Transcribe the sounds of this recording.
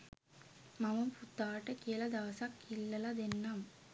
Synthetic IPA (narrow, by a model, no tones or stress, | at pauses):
mɐʋɐmput̪aːʈɐkijɐlɐd̪ɐʋɐsakːilːɐlɐd̪enːam